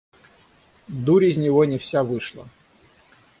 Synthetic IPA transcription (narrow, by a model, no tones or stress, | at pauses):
d̪uɾʲɪzʲnʲɪvonʲɪfsʲavɨʂlˠə̰